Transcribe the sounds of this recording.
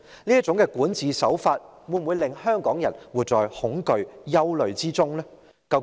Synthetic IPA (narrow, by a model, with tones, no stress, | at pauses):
niː˥t͡sʊ˨˥ŋkɛː˧kuː˨˥nt͡siː˨sɐ˨˥wfaː˧t̚ | wuː˨˧˩nwu˨˧jlɪ˨ŋhœː˥ŋkɔː˨˥ŋjɐ̰˨˩nwuː˨˩t͡sɔː˨jhʊ˨˥ŋkɵ˨ɥjɐ˥wlɵ˨ɥt͡siː˥t͡sʊ˥ŋlɛː˥ | kɐ˧